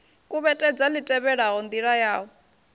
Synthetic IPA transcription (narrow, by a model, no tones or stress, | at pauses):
kʼuβɛtʼɛd͡zalitʼɛβɛɺaɦɔnd̪iɺajaːɦɔ